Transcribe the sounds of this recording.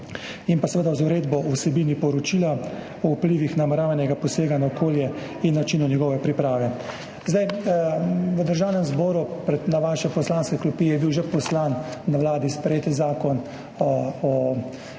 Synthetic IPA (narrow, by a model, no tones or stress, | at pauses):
impasʋəd̪azuɾeːd̪bɔusɛbiːnipɔɾɔt͡ʃiːla | ɔupliːʋixnamɛɾaːʋanɛɡapɔseːɡanaɔkʰoːljɛ | inːat͡ʃinɔnjɛɡɔʋɛpɾipɾaːʋɛ | zd̪aj | ʋəd̪əɾʒaːwnɛmzbɔːɾupɾɛt̪naʋaːʃɛpɔslanskɛklupiːɛjɛbiwʒɛpɔslanːaʋlaːd̪ispɾjeːt̪zaːkɔn | ɔ